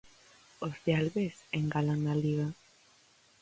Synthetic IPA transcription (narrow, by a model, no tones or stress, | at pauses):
ozðealβeseŋɡalaŋnaliɣa